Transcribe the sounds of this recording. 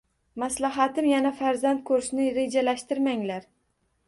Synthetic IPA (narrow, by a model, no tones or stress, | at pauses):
maslaɦat̪ɪmjanafaɾzant̪̚kʰɵɾɪʃnɪɾe̞d͡ʒalaʃt̪ɪɾmaŋlaɾ